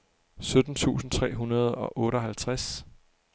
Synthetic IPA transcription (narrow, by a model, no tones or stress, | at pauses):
sød̥n̩t͡sʰṵːsn̩t͡sʰʁɛ̰ːɦunɐð̞ˠɒ̽ʔɔ̽ːɾəɒɦælt͡sʰʁas